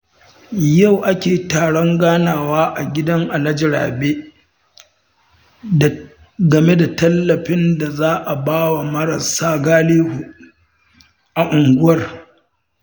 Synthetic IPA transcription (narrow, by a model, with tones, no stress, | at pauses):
ja˦˨wʔa˦kʲeː˨taː˨ɽɔ˦ŋɡaː˦naː˨waː˦ʔa˨ɡʲɪ˦dɐ˦ŋʔa˨lɐ˦d͡ʒɪ˦ɽa̰ː˨beː˦˨ | ɡɐ˨me˦da˨tɐ˦lːɐ˨ɸɪ˦nda˨zaː˦ʔa˨baː˦wa˨mɐ˦ɾɐ˨saː˦ɡaː˦liː˦hu˨ | ʔa˨ʔʊ˨ŋɡʷʊ˦wɐ˦r